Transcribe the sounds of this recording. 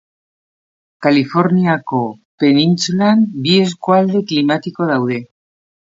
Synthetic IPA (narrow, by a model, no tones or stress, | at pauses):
kalifo̞ɾniako̞ | pe̞ninsulambieskoald̪e̞klimat̪iko̞ð̞awð̞e̞